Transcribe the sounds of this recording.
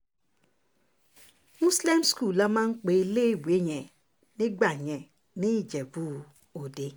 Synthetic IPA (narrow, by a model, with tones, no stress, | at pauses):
mu˦sle˦msku˦˨la˦ma˦ŋ͡m̩˦k͡pe˨˦le˦˨we˦ɲe˨ | nɪ˦ɡ͡ba˨ɲe˨ | ni˦˨d͡ʒe˨bu˦˨ | o˨de˦